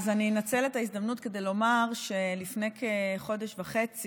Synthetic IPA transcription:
zaninat͡se̞letaizd̪amnutke̞d̪e̞jlo̞maʁʃelifne̞jkʰeχo̞deʃvaχet͡si

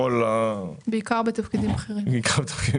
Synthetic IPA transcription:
olabeikaʁbet̪afkidimaχeʁimbeikʰaʁbet̪ḁfkidi

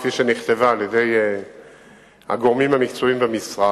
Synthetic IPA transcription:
fiʃeniχt̪e̞vaːljed̪e̞j | a̰ɡo̞ʁmimhamikt͡soimbemisʁa

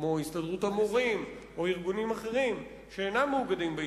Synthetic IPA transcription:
mohist̪adʁut̪amoʁim | o̞iʁɡunimaχe̞ʁim | ʃeenamːeuɡad̪imbe

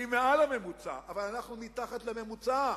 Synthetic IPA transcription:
imealame̞mut͡sa̰ʔavalanaχnumit̪aχat̪leme̞mut͡sa

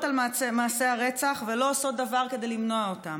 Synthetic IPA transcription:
talaemaːse̞aʁet͡saχvelo̞oso̞t̪̚davaʁke̞d̪e̞jlimno̞aotam

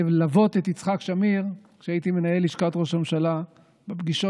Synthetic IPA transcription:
lavo̞t̪et̪it͡sχakʃamiʁkʃeait̪ime̞nae̞liʃkat̪ʁo̞ʃamʃala | bebɡiʃo

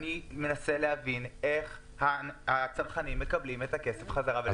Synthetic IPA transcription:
nime̞nase̞lehavine̞χ | haat͡salχanimːe̞kablimetake̞sefχazaʁav

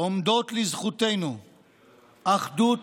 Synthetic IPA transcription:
omd̪ot̪lizχut̪ejnu | ʔaχd̪ut

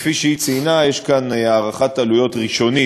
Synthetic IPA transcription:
fiʃeit͡sinajeʃkanaːʁaχatalujo̞tʁiʃo̞ni

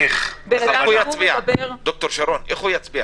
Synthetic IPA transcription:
ebeaujabiabʁd̪ok̚t̪oɾʃaɾoneχujat͡sbia

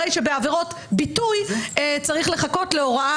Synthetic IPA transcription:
ejʃe̞beaveʁo̞t | bitujet͡saʁiχle̞χako̞tle̞o̞ʁaa

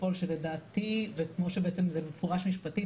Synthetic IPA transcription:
o̞lʃeledaːt̪ivekmo̞ʃebeet͡semzemefuʁaʃmiʃpati

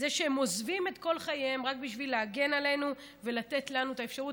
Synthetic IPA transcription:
zeʃehemo̞zvimetko̞lχajemʁakbiʃvileaɡe̞nale̞nu | ve̞lat̪e̞tlanuet̪aefʃaʁu

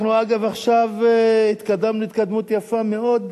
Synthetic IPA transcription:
nuaɡavaχʃavhit̪kad̪amnuit̪kad̪mut̪jafame̞od̪

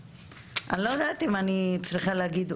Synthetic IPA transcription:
anlojad̪at̪imanit͡sʁiχaleaɡid̪

